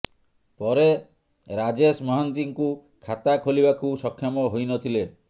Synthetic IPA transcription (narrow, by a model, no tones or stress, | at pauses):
pɔɾe | ɾad͡ʒesmɔɦant̪iŋku | kʰat̪akʰolibakusɔkʰːjɔmɔɦojnɔt̪ʰile